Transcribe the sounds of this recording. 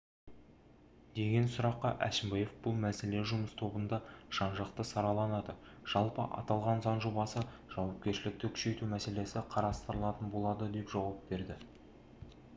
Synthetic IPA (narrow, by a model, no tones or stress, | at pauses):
d̪̥e̞ɡʲe̞nsʊɾɑqːɑʔæʃɪmbɑjefbʊlˠmæse̞le̞ʒʊməst̪ʰo̞bənd̪ɑʒ̥ɑnʒɑqt̪əsɑɾɑlˠɑnɑd̪ə | ʒ̥ɑlˠpəʔɑ̰t̪ɑlˠʁɑnzɑnʒo̞bɑsə | ʒ̥ɑwɑp̚kʲe̞ɾʃɪlɪk̚t̪ɪkʲʰʏ̥ʃe̞jt̪umæse̞le̞sɪqʰɑɾɑst̪əɾəlˠɑt̪ənbo̞lˠɑd̪əd̪e̞pʒɑwɑp̚be̞ɾd̪ɪ